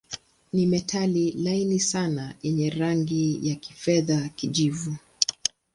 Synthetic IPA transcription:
nimɛtʰalilainisanajɛɲɛɾaŋɡijaki̥fɛðakiʄivu

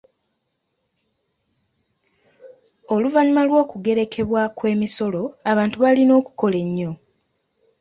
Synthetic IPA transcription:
oluvaɲumalwo̞ːkuɡe̞ɾe̞kʰe̞βwakwe̞ːmiso̞lo̞aβaːntuβalino̞ːku̥ko̞le̞ɲːo̞

